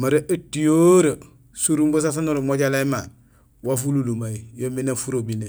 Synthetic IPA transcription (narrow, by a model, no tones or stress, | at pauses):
maɾeʔetːijoɾo | suɾumbos̬as̬anoɾomoɟalaima | wafululumajijominefuɾobine